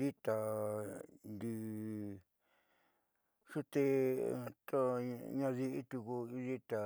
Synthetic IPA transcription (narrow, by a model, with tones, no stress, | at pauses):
i˦t̪a˨ | nd̪i˧ | ʂu˦t̪e˧t̪o˦ɲã˧ði˧ʔi˦t̪u˧ku˧i˦ði˦t̪a˨